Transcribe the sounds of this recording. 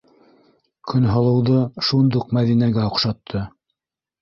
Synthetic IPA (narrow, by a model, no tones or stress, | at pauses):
kʰɵnɦŏlˠɤ̆wðɤʃund̪uqmæðinæɡæŏqʃɑt̪ʰːɤ